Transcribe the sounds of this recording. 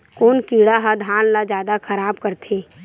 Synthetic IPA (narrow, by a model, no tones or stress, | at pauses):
koːnkiːɽaɦad̪ʱaːnlad͡ʒjaːd̪akʰɐɾaːbkəɾt̪ʰeː